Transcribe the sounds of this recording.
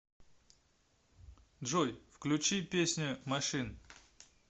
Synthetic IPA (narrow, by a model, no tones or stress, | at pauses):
d̪ʐojfklʲʉt͡ɕipʲesʲnʲʊmɐʂɨn